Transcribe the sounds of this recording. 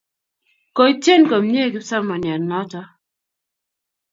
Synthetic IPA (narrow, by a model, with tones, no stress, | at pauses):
ko˨i˦t͡ʃe˦nko˨mɲe˦kɪ˦sa˦ma˨nja˨nɔ˦tɔ˦